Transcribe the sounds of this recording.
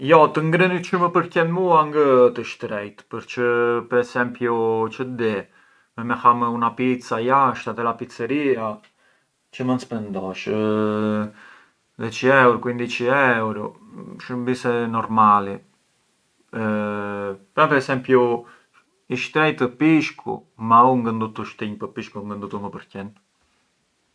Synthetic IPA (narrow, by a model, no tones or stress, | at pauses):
jɔt̪əŋɡɾənit͡ʃəməpəɾkɛmuaŋɡət̪əʃt̪ɾɛjt̪pəɾt͡ʃəpəɾɛsɛmpjut͡ʃəd̪ɛ | mɛmɛxamunapit̪t͡sajaʃt̪at̪ɛlapit̪t͡səɾia | t͡ʃəmənspɛnd̪ɔʃə | ðɛt͡ʃiɛwɾkwind̪it͡ʃiɛwɾɔ | ʃəmbisɛnɔɾmalɛ | pɾapɛɾɛsɛmpju | iʃt̪ɛjt̪əpiʃkʰṵmauŋɡənd̪ut̪uʃt̪iɲpəpiʃkuŋɡənd̪ut̪uməpəɾcɛn